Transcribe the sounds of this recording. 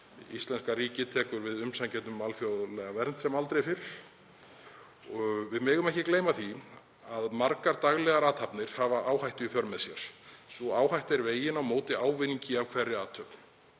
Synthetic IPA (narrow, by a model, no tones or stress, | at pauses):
ist̪lɛnskaɾiːcɪt̪ʰɛːkʏɾvɪðʏmsancɛnt̪ʏmːalfjowðʏlɛɣavɛɾnt̪sɛmalt̪ɾejfɪɾɾ̥ | ɔvɪðmɪːɣʏmɛhcɪkleːjmaθi | aðmaɾkaɾt̪aɣlɛɣaɾaːt̪hapnɪɾ̥havaʔaːwhajht̪ʏfœɾmɛðsjɛɾ̥sɔaːwhajht̪ɛɾveːjɪnawmoːwt̪ɪaːwvɪniɲcɪavkʰv̥ɛrːɪaːt̪ʰœpn̥